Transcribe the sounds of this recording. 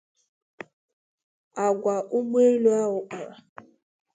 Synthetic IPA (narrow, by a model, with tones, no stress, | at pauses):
a˨ɡʷa˨ʔu˦ɡ͡be˦lu˦a˦ɣʊ˨k͡pa̰˨ɾa˨